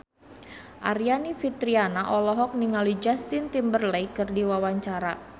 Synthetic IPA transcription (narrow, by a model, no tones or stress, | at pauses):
ʔaɾianifit̪ɾianaʔɔlɔɦɔk̚niŋalid͡ʒast̪int̪imbərlɛjkɨrdiwawaɲt͡ʃaɾa